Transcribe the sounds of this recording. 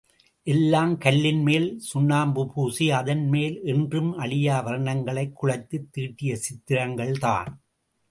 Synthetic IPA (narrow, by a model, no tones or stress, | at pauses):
ʔɛlːaːmkɐɭːɪnmeːlsʊnːaːmbɯpuːsiɐðɐnmeːlɛndrɯmɐɭɪjaːʋɐɾɐɳɐŋɡɐɭɐɪkːʊɻɐɪt̪ːɯt̪ːiːʈːɪjɐsɪt̪ːɪɾɐŋɡɐɭt̪a̰ːn